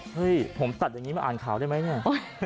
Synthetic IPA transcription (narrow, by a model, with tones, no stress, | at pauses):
hɯ˦˥˩jpʰo˩˦mt̪a˨˩t̪̚jaː˨˩ŋi˦˥m˧˥˩ʔaː˨˩nkʰaː˩˦wdaː˥˩jma˦˥jni˥˩ɐ